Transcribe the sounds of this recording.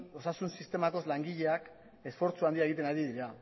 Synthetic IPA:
o̞sasunsist̪e̞mako̞zlaŋɡiʎe̞ak | e̞sfo̞ɾt͡suand̪iae̞ɣit̪e̞naɾiðiɾa

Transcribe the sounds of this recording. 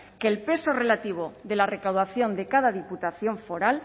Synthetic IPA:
kelpe̞so̞re̞lat̪iβ̞o̞ðe̞lare̞kawðaθjo̞nd̪e̞kaðaðiput̪aθjo̞ɱfo̞ɾal

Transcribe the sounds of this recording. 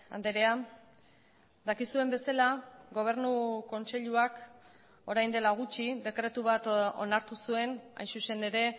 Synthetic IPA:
a̰nd̪eɾea | d̪akisue̞mbe̞salaɡo̞β̞e̞ɾnuko̞nse̞ʎuak | o̞ɾajnd̪e̞laɣ̞ut͡ʃid̪e̞kɾe̞t̪uβ̞at̪o̞̰naɾt̪usue̞na̰jnsuse̞ne̞ɾe̞

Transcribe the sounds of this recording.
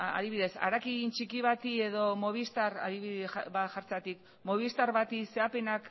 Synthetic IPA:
a̰ðiβiðe̞sa̰ɾakint͡ʃikiβ̞at̪ie̞ðo̞mo̞β̞ist̪aɾaðiβiβaxaɾt͡sat̪ik | mo̞β̞ist̪aɾβat̪ise̞ape̞nak

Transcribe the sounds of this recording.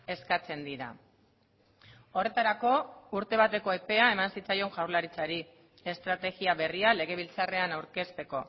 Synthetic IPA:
e̞skat͡se̞nd̪iɾa̰ | o̞re̞t̪aɾako̞uɾt̪e̞β̞at̪e̞ko̞epe̞ae̞mansit͡sajo̞ŋʝawɾlaɾit͡saɾi | e̞st̪ɾat̪e̞ɣiaβe̞riale̞ɣ̞e̞β̞ilt͡sare̞anawɾke̞st̪e̞ko̞

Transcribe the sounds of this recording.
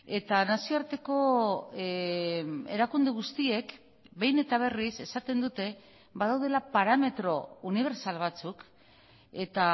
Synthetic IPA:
e̞t̪anasioaɾt̪e̞ko̞ | e̞ɾakund̪eɣ̞ust̪ie̞k | be̞jne̞t̪aβ̞e̞rise̞sat̪e̞nd̪ut̪e̞ | βaðawð̞e̞lapaɾame̞t̪ɾo̞uniβ̞e̞ɾsalβ̞at͡suk | e̞t̪a

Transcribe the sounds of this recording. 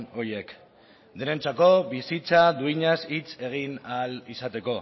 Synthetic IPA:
o̞ie̞k | d̪eɾe̞nt͡sako̞βisit͡sad̪uiɲasit͡se̞ɣ̞inalisat̪e̞ko̞

